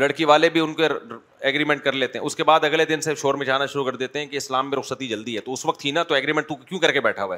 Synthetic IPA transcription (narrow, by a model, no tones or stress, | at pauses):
lɐɽkiʋaːlebʱiʊnko | ɛːɡɾiːmɛ̃ɳʈ̚kɐɾleːt̪ẽɦɛ̃ʊskebaːd̪ɐɡled̪ɪnseʃoːɾmẽd͡ʒaːnaʃʊɾukɐɾd̪eːt̪eɦɛ̃kiɪslaːmːẽɾʊqsət̪id͡ʒɐld̪iɦɛt̪oʊsʋɐk̚t̪ʰɦinat̪oɛːɡɾiːmɛ̃ɳʈt̪ũkjũːkɐɾkebɛːʈʰaɦuaɛː